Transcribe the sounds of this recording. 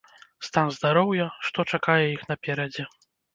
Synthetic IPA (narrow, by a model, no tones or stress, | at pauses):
st̪anzd̪aɾɔwjɐʂt̪ɔt͡ʂakajɛixnɐpʲɛɾɐd͡zʲɛ